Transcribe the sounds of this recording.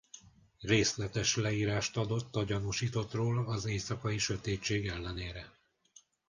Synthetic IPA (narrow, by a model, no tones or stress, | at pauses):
reːslɛt̪ɛʃlɛiːɾaːʃt̪ɒd̪o̞t̪ːɒɟɒnuʃiːt̪o̞t̪roːlɒzeːsɒkɒjiʃø̞t̪eːt͡ʃːeːɡɛlːɛneːɾɛ